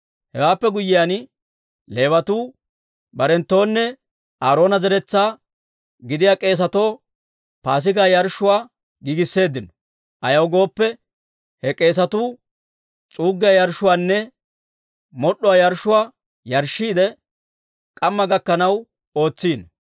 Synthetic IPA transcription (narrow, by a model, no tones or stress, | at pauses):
hɛ̰waːpːɛɡʊjːɪjaːn | le̞ːwɐt̪uː | bɐɾɛnt̪ːo̞ːnːɛ | ʔaːɾo̞ːnɐzɛɾɛt͡sːaː | ɡɪd̪ɪjaːkʼe̞ːs̬ɐt̪o̞ː | paːs̬ɪɡaːjɐɾʃːʊwaː | ɡiɡɪsːe̞ːd̪ːɪnɔ̥ | ʔɐjɐwɡo̞ːpːɛ | hɛkʼe̞ːs̬ɐt̪uː | t͡sʼuːɡːɪjajɐɾʃʊwaːnːɛ | mɔɗːɔwaːjɐɾʃʊwaː | jɐɾʃːiːd̪ɛ | kʼɐmːɐɡɐkːɐnɐw | o̞ːt͡sːiːn